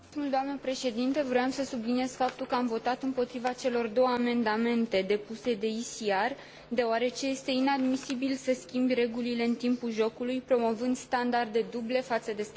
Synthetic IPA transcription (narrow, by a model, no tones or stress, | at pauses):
umuld̪oamnəpɾe̞ʃe̞d̪int̪evɾojamsəsublinije̞zfap̚t̪ulkəamvo̞t̪at̪ɨmpo̞t̪ɾivat͡ʃe̞lo̞rd̪o̞wəame̞nd̪ame̞nt̪e̞d̪e̞puse̞d̪e̞isiar | d̪e̞oaɾe̞t͡ʃe̞je̞st̪e̞inad̪misibilsəskʲimbʲre̞ɡulile̞ɨnt̪impulʒo̞kulujpɾo̞mo̞vɨnd̪st̪and̪ard̪e̞d̪uble̞fat̪səd̪e̞s